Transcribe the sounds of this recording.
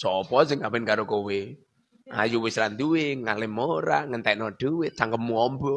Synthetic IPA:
sɔpɔsɪŋawɪnkaɾokowɪ | ʔa̰juwɪsɾand̪uwɪŋalɪmoɾaŋənt̪ajnɔɖ̥uwɪt̪̚t͡ʃaŋkəp̚muɔmbɔ

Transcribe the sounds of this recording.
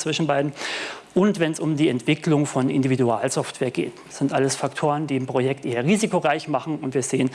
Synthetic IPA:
t͡sv̥ɪʃn̩baɪdn̩ | ʔʊntv̥ɛnsʊmdiːɛntv̥ɪklʊŋfɔnʔɪ̰ndividuaːlzɔftv̥eːɐɡḛːt | sz̥ɪntʔaləsfaktʰoːʁ̞əndiːɪmpʁ̥ojɛktʔeːɐʁiːzikoʁaɪçmaχn̩ʊntv̥iːɐzeːən

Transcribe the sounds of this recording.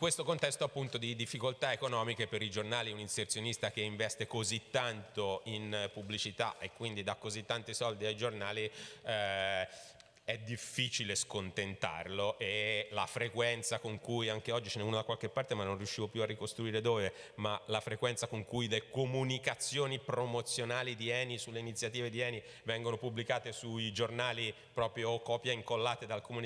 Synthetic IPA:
kwest̪okont̪ɛst̪oapːunt̪od̪id̪ifːikolt̪aekonɔːmikepeɾid͡ʒornaːliuninsert̪sjonist̪ak̟eiɱvɛst̪ekozit̪ːant̪oinpubːlit͡ʃit̪a̰ʔekːwind̪id̪akːozit̪ːant̪isɔld̪iajd͡ʒornaːliɛ | ɛd̪ːifːiːt͡ʃileskont̪ent̪a̰rloʔelafɾekwɛnt̪sakoŋkujaŋk̟eɔd͡ʒːit͡ʃɛnɛuːnod̪akwalkepːart̪emanːõnrjuʃːiːvopjuarːikost̪ɾuiːɾed̪oːvemalafɾekwɛnt̪sakoŋkujlekomunikat̪sːjoːnipɾomot̪sːjonaːlid̪iɛːnisulːeinit̪sːjat̪iːved̪iɛːni | vɛŋɡonopublikaːt̪esuid͡ʒornaːli | pɾɔːpɾjokɔːpjaiŋkolːaːt̪ed̪alkomuni

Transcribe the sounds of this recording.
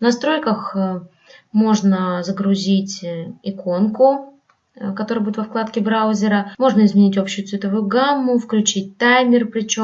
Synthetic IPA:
vnɐst̪ɾo̞jkəx | mo̞ʐnəzəɡɾʊzʲitʲɪko̞nkʊ | kɐt̪oɾəɨəbudʲɪt̪vɐfklˠat̪kʲɪbɾaʊzʲɪɾəmo̞ʐnəɪzmʲɪnʲitʲo̞pɕːʊjʊtsvʲɪt̪əvʊjʊɡamːʊfklʲʉt͡ɕit̚ʲt̪ajmʲɪrpɾʲɪt͡ɕo

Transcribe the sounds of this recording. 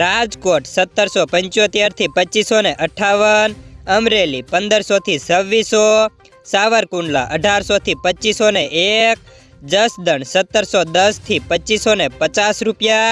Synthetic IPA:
ɾad͡ʒkoʈsət̪ːəɾsopəɲt͡ʃjot̪jaɾt̪ʰipət͡ʃisoneʔəʈʰaʋənəmɾelipənd̪əɾsot̪ʰisəʋːiso | saʋəɾkuɳɖla̰ʔəɖʱaɾsot̪ʰipət͡ʃːisoneʔek̚ | d͡ʒəsd̪əɳsət̪ːəɾsod̪əst̪ʰipət͡ʃisonepət͡ʃasɾupja

